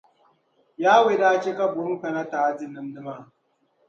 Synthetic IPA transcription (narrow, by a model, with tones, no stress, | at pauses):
jaː˦we˦˨da˦ke˦ka˦bʊ˨ɾu˦ka˨na˦ta˨˦di˦nɨ˦mdɨ˦ma˦˨